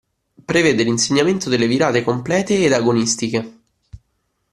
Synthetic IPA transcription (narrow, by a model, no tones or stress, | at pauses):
pɾeveːd̪elinseɲːament̪od̪elːeviɾaːt̪ekomplɛːt̪eːd̪aɡonist̪ike